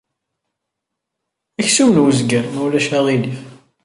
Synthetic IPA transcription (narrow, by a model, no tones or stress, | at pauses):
æçsumənwəzɡænuwlæʃæʁili